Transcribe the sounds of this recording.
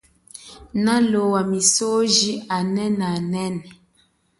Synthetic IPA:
nalowamisoʒianɛnanɛn

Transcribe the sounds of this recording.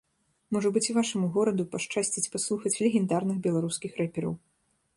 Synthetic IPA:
mɔʐɐbɨt͡sʲuvaʂɐmuɣɔɾɐd̪upaʂt͡ʂasʲt͡sʲit͡sʲpaslˠuxɐt͡sʲlʲɛɣʲɛnd̪arnɨxbʲɛlˠaɾuskʲixɾɛpʲɛɾɐ̰w

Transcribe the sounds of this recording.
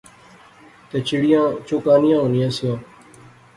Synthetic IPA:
t̪et͡ʃɪɽɪjãːt͡ʃoːkaːnɪjãːonɪjãːsjãː

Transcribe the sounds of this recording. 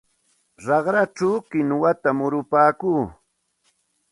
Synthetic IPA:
ɾɑχɾat͡ʃawkɪnwat̪amʊɾʊpaːkuː

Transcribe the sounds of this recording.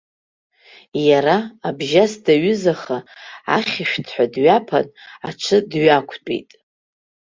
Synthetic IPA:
jaɾaːbʒasdaɥʏzaχaa̰χʲɪʃᶣtʰħʷᶣadɥapʰa̰naʈ͡ʂʰɨdɥakʷʰt͡pʼḭjtʼ

